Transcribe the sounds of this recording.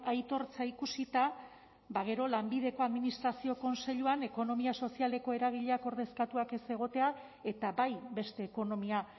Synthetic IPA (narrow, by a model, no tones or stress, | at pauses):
ajt̪o̞ɾt͡saikusit̪a | baɣ̞e̞ɾo̞lambið̞e̞ko̞aðminist̪ɾasio̞ko̞nse̞ʎuane̞ko̞no̞miaso̞siale̞ko̞e̞ɾaɣ̞iʎe̞ako̞ɾðe̞skat̪uake̞se̞ɣ̞o̞t̪e̞a | e̞t̪abajbe̞st̪e̞ːko̞no̞mia